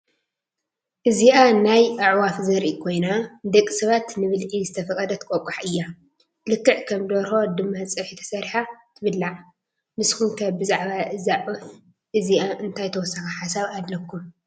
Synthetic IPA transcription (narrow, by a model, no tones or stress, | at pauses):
ʔɨziʔanajʔaʕwafzɐɾikʰo̞jnad̪ɐkʼːisɐβat̪nɨβɨlʕizɨt̪ʰɐfɐkʼɐd̪ɐt̪ʰɨ̥kʼokʼaħʔɨjːa | lɨkːɨʕkʰɐmd̪oɾho̞d̪ɨmːat͡sʼɨħit̪ʰɐ̥sɐɾħat̪ʰɨβɨlːaʕ | mɨskumkʰabɨzaʕβaʔɨzaʕʕu | ʔɨziʔaʔɨnt̪ʰajt̪ʰɐwɔsːɐxɐħasaβad̪lɐkʰːum